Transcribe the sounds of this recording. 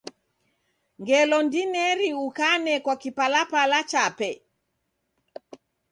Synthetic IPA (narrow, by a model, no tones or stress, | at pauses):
ŋɡɛlɔndinɛɾiukanɛkwakipalapalat͡ʃapɛ